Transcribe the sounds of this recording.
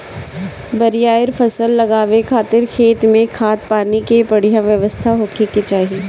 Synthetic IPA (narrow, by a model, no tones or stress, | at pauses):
bɐɾijaːɪɾfɐsəlːɐɡaːʋekʰaːt̪ɪɾkʰeːt̪mẽkʰaːt̪̚paːnikepɐɽ̤ijãʋjɐʋəst̪ʰaɦoːkʰeket͡ʃaːɦie